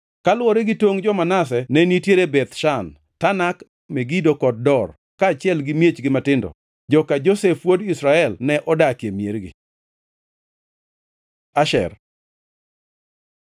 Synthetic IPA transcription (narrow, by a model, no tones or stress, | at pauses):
kalwɔɾeɡɪtwoŋd͡ʒɔmanas̬ɛnɛnitjeɾebɛt̪ʃan | tanak | meɡidokɔd̚dɔr | kaːt͡ʃjɛlɡɪmjet͡ʃɡɪmatɪndɔ̰ | d͡ʒɔkad͡ʒosefwodisɾaɛlnɛʔɔdakjemjeɾɡɪ̰ | aʃɛ̰r